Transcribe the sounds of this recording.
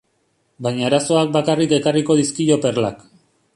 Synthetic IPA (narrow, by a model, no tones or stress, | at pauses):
bajɲaːɾaso̞ak̚bakarike̞kariko̞ðiskiʎo̞pe̞rla̰k